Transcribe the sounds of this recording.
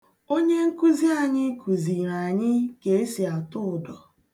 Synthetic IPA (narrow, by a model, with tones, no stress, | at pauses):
o˦ɲe˦ŋ̩˦ku˦zi˦a˨ɲɪ˦ku˨zi˨ɾa˨ɲɪ˦ke˨e˦si˨a˨tʊ˦ʊ˨dɔ˨